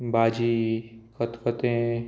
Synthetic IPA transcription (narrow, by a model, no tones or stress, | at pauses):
baːd͡ʒikət̪pət̪ẽ